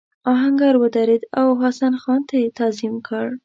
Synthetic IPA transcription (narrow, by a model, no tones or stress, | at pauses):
ɑɦaŋɡaɾwəd̪aɾed̪awɦasanxɑnt̪et̪azimkʰəɽ